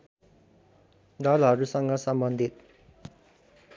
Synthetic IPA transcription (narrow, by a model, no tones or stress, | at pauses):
d̪alaɾusaŋɡasamband̪et̪̚